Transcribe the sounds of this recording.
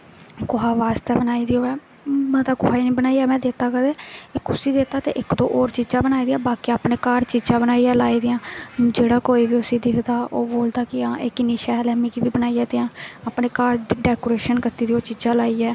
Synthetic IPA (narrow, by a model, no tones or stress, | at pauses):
koɦaːʋaːst̪ɛːbənaːiːd̪iːoːɛː | mɛ̃ːd̪aːkʊɦaːiːnĩːbənaːiɛːmɛ̃ːd̪eːt̪aːkəd̪eːɪkʊsiːd̪eːt̪aːt̪ḛːʔɪkd̪õ̰ːʔoːɾt͡ʃiːd͡ʒãːbənaːiːd̪ɪjãːbaːkiːaːpneːkaːɾt͡ʃiːd͡ʒãːbənaːiːɛːlaːiːd̪ɪːãːd͡ʒeːɽaːkoːiːʋiːʊsiːd̪ɪkʰd̪aːoːboːld̪aːkɪãːʔɪkɪniːʃaːlɛːmiːkibiːbənaːiːaːt̪eãːaːpneːkaːɾɖɛːkoːɾeːʃənkət̪iːd̪iːoːt͡ʃiːd͡ʒãːlaːiːɛː